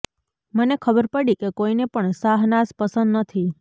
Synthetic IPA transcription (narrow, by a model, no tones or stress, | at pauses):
mənekʰəbəɾpəɽikekoinepəɳsaɦnaspəsənd̪nət̪ʰi